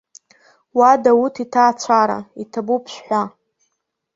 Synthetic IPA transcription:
wadawutʰitʰaːt͡ɕʷʰaɾa̰itʰabupʰʃʷᶣħʷa

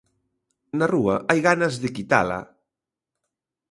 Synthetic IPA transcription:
naruɐʔajɣanazðekit̪a̰la̰

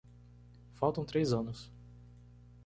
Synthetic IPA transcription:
fawt̪ɐ̃t̪ɾejzɐ̃nʊs

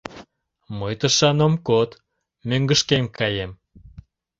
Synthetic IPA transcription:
məjt̪əʃɑnomkot̪ | møŋɡəʃkemkɑjem

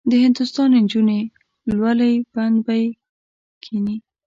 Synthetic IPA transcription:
d̪əhɪnd̪ʊst̪ɑnɪnd͡ʒune | lwalajb̥and̪baj | kʰini

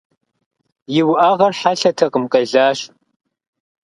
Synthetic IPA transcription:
jɪwʔaːʁɐrħaɬɐtʰɐqʼəmqʼɐɮaːɕ

